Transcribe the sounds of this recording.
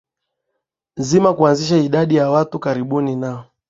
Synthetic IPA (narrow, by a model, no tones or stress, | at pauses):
nzimakuanziʃaiɗaɗijawatukaɾiɓuninaɔ